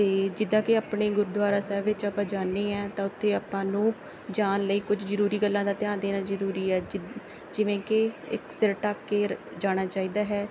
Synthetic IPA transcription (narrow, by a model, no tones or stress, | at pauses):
t̪eːd͡ʒɪd̪ãːkɪaːpɳeːɡʊɾud̪ʊaːɾaːsɛːʋɪt͡ʃapãːd͡ʒaːnːeːɛ̃ːt̪ãːʊt̪ʰːeːaːpãːnũː | d͡ʒaːnləiːkʊd͡ʒzəɾuːɾiːɡəlːãːd̪aːt̪ɪjãːnd̪eːnaːzəɾuːɾiːɛː | d͡ʒɪʋẽːkɪɪ̰ksɪɾʈaːpkeːd͡ʒaːɽ̃aːt͡ʃaːiːd̪aːɦɛː